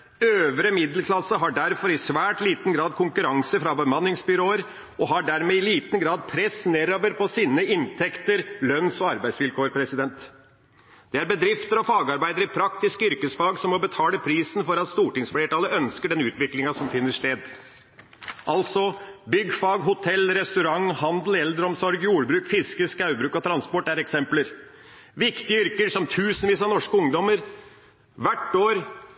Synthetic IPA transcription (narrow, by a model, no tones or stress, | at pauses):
øːʋɾəmɪd̪l̩kʰlɑsːəɦɑɖæɾfɔɾɪsʋæːʈliːt̪n̩ɡɾɑːd̪kʰʊŋkʉɾɑŋsəfɾɑbəmɑnːɪŋsbʏɾoːəɾ | ɔɦɑɖæɾmeːɪliːt̪n̩ɡɾɑːd̪̚pʰɾɛsneːɾoːʋəɾpɔsiːnəɪnt̪ʰɛkt̪əɾlœnːsɔɑɾbæɪsʋɪlkʰoːɾpʰɾɛsɪd̪ɛnt̪ | d̪̥ɛæɾbəd̪ɾɪft̪əɾɔfɑːɡɑɾbæɪd̪əɾɪpʰɾɑkt̪ɪskʏɾkəsfɑːɡsɔmɔbət̪ʰɑːləpʰɾiːsn̩fɔɾɑt̪st̪uːʈɪŋsfleːʈɑːləœnskəɖɛnʉːt̪ʋɪklɪŋɑsɔmfɪnːəʂt̪eːd̪ | ʔɑlt̪sɔbʏɡːfɑːɡɦʊt̪ʰɛlːɾɛst̪ʉɾɑŋhɑnd̪l̩ɛld̪əɾɔmsɔɾɡjuːɽbɾʉːkfɪskəskɑʉbɾʉːkɔt̪ʰɾɑnspɔʈːæɾɛksɛmpləɾ | ʋɪkt̪ɪəʏɾkəɾʂɔmt̪ʰʉːsənʋiːsɑnɔʂkəʊŋd̪ɔməɾ | ʋæʈːoːɾ